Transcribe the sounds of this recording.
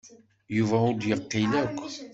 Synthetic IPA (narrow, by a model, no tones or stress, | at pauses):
juvaud̪jəʁqːilækʷː